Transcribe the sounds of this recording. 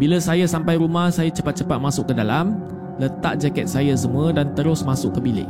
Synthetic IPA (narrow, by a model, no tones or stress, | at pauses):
bilasajasampajɾumahsajat͡ʃəpat̪̚t͡ʃəpat̪̚masʊkːədalam | lət̪aʔ̚d͡ʒakɛt̪̚sajas̬əmuədant̪əɾʊsmãsʊʔkːəbilɪ̰ʔ